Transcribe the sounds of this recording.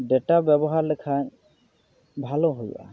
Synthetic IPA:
ɖɛʈabɛbɔɦaɹlɛkʰaɲ | bʱalɔɦoj̰ʔa̰

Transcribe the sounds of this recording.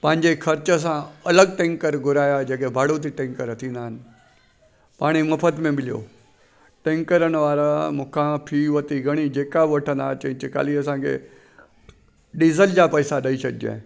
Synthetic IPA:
pə̃ːɪ̃ɲd͡ʑekʰɐɾt͡ɕs̬ãɐləɡ̚ʈẽːŋkəɾɡʊɾaːjad͡ʑeːkebʱaːɽut̪ʰiʈẽːŋkəɾt̪ʰĩːnd̪aɦən̆ | paːɽ̃imɐpʰət̪mẽmɪlijo̰ː | ʈẽːŋkəɾənʋaːɾamʊkʰãpʰiːʋət̪iɡəɽ̃id͡ʑeːkaʋɐʈʰə̃nd̪at͡ɕɐ̃ɪ̃t͡ɕika̰ːliəs̬ãkʰḛ | ɗizəld͡ʑapəisaɗəisəɗd͡ʒḛ̃

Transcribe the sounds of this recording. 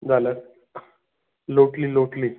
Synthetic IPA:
d͡zaləɾ | loʈliloʈliː

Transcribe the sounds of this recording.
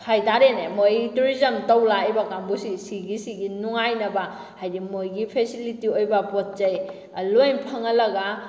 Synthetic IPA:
kʰajtaɾenemojtuɾizɐmtɐwlajbɐkambusisiɡisiɡinuŋajnɐba | hajdimojɡipʰesilitiojbɐpot̚d͡ʒɐj | lojnpʰɐŋɐlɐɡa

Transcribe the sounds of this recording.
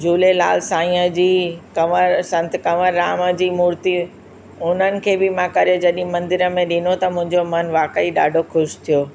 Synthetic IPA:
d͡ʑʱuːlela̰ːlsãːĩəd͡ʑiːkɐməɾsɐ̃nt̪kɐməɾːaːmə̆d͡ʑiːmuːɾt̪i | ʊn̤ənɪ̆kʰeːbɪmãkɐɾijod͡ʑɐɗɪĩmɐ̃nd̪ɪɾəmẽɗɪnot̪ɐmʊ̃ɦɪ̃ɲd͡ʑomɐnʋaːkəiɗa̰ːɖʱoxʊʃt̪ʰijoː

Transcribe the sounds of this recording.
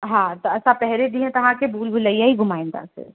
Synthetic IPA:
ɦãt̪oɐsãpɛɦɾed̪iɦɛ̃t̪ɐɦãkebʱuːlbʱuləiaiɡʊmaːɪ̃nd̪ã̰sḛː

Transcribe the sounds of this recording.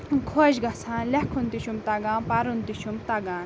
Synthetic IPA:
kʰoʑɡɐsʰãːlɐkʰunt̪iɕumt̪aɡãːpaɾunt̪iʃumt̪aɡãːn

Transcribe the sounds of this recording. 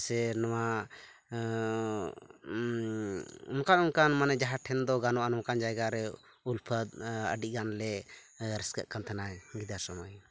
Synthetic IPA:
sɛnawa | ṵnkanunkanmanɛd͡ʒaɦaʈʰɛnd̪ɔɡanɔʔanɔmkand͡ʒajɡaɾɛ | ulpʰəd̪̚ə̰ɖiʔ̚ˀɡanlɛ | ɾɛskəʔkant̪ʰɛnaɡid̪asɔmaj

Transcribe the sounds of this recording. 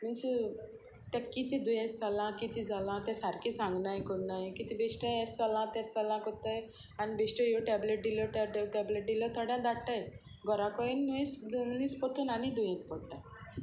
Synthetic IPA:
mənsi | t̪akit̪id̪ujɛst͡salãkit̪id͡zalãt̪ɛ̃saɾkisãŋɡnajkoɽnajkit̪ibesʈəɛsalãt̪ɛ̃salãkɔt̪əj | anibesʈəjoʈɛbleʈ̚d̪ilɔʈɛʈeʈɛbleʈ̚d̪ilɔt̪ʰəɽjãd̪aɽʈaj | ɡɔɾãkɔinːujĩsd̪nĩspɔt̪uːnanid̪ujĩnpɔɽʈa

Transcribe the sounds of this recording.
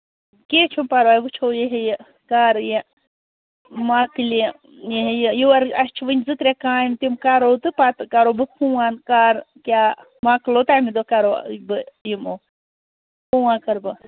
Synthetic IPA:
keːt͡ʃʰumpaɾoaːjbɨt͡ʃʰoːjeɦeji | kaːɾje | maːkɨli | jeɦejəjiwɐɾɐst͡ʃʰiʋɨnʲzɨkɾekãːjimt̪imkaɾowt̪ɨpat̪ɨkaɾoːbɨhũaːnkaːɾ | kʲjaː | maːkloːt̪aːmid̪okaɾo̰ːbɨjimoː | huːwãːkɐɾbɨ

